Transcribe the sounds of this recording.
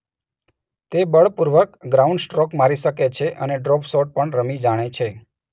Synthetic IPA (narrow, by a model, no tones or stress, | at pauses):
t̪ebəɭpuɾʋəkɡɾaũɳɖsʈɾɔkmaɾiʃəket͡ʃʰeʔəneɖɾɔpsɔʈ̚pəɳɾəmid͡ʒaɽ̃et͡ʃʰe